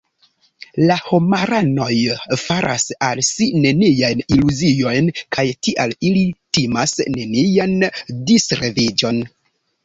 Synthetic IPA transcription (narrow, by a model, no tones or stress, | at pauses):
lahomaɾano̞jfaɾʔa̰salsine̞niajniluzijo̞jnkʰajtiʔalilitimasːe̞niandisɾevid͡ʒo̞n